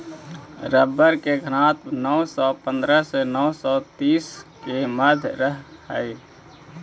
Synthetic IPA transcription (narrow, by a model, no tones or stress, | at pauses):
ɾəbːəɾkeɡʱəɾãt̪nɔsɔpə̃nd̪ɾəsenɔʊsɔt̪iːskeməd̪ʱɾəɦɦə̰j